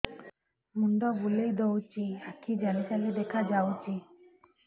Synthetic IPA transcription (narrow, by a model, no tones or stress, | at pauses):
mundɔbulejd̪ɔwt͡ʃiakʰid͡ʒalisaled̪ɛkʰad͡ʒawt͡ʃʰi